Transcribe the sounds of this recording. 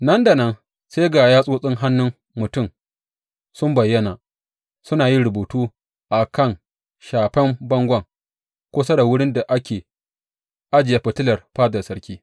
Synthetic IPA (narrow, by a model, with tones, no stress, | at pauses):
nɐ˦nda˨nɐ˦n | seː˦ɡaː˨jaː˦sʼoː˦sʼɪ˦ŋɦa˦nːʊ˦ŋ | mʊ˨tʊ˦˨m | sʊ˦mbɐ˨jːɐ˦naː˨ | sʊ˦naː˨ji˦ɾʊ˨boː˨tuː˦ | ʔa˨kɐ˦˨ŋ | ʃaː˨ɸɛ˦mbɐ˦ŋɡʷɐ˦˨ŋ | kʷʊ˦sɐ˦da˨wʊ˦ɽɪ˦nda˨ʔa˦kʲeː˨ | ʔa˦d͡ʒɪ˨ja˨˦ɸɪ˨tɪ˦lɐ˨rɸaː˦dɐ˨rsɐ˦ɽkʲiː˦